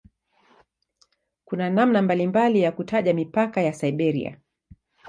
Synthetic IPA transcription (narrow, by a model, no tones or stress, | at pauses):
kunanamnambalimbalijakutaʄamipakajasaiɓɛɾḭa̰